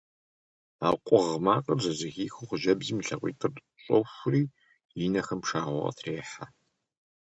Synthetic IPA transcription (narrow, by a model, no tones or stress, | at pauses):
aːqʷʼɔʁmaːqʼɐzɐzɪxiːxuχʷʊʒɐbzimiɬɐqʷḭːtʰʼɨr | ɕʷʼɔwxʷʊriː | jinɐxɐmpʂaːʁʷɔ̰ʁɐ̰tʰreːħa